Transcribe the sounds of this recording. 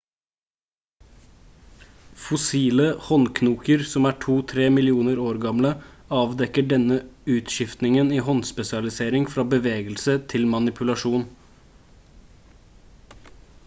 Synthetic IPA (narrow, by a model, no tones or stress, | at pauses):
fʊsiːləhɔnkʰnuːkəɾsɔmæːʈʰuːt̪ʰɾeːmɪlɪuːnəɾoːɾɡɑmləɑːʋd̪ɛkəɖɛnəʉːt̪ʃɪft̪nɪŋəniːhɔnspɛsɪɑlɪseːɾɪŋfɾɑːbəʋeːɡəlsət̪ʰɪlmɑnɪpʰʉlɑʂuːn